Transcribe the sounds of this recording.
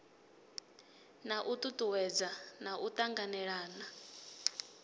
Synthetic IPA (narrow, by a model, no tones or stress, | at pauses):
naʔut̪ʼut̪ʼuwɛd͡zanaʔut̪ʼaŋɡanɛɺaːna